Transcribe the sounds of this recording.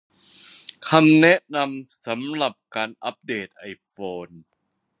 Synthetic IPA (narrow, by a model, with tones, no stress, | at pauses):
kʰa˧mnɛ˦˥ʔna˧msa˩˦mla˨˩p̚kaː˧nʔa˦˥p̚deː˨˩t̪̚ʔa˧jfoː˧n